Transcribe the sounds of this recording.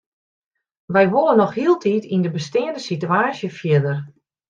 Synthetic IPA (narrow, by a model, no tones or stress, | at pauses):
ʋɛjʋolˠənɔxhiəlˠtʰitʰindəbəstɪːəndəsityaːsjəfjɪdər